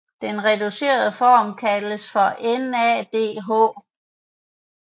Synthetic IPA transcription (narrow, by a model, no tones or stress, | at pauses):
d̥enʁɛd̥use̝̰ːɐð̞ˠəfɒ̰ːmkʰæləsfɒ̽ʔenɛ̰ːd̥e̝̰ːɦɔ̰ː